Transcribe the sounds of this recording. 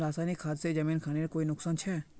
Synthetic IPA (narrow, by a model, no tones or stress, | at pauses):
ɾaːsaːnikʰaːd̪sed͡ʒɐmĩːnkʰaːneɾkoːinʊksaːnt͡ʃʰɛː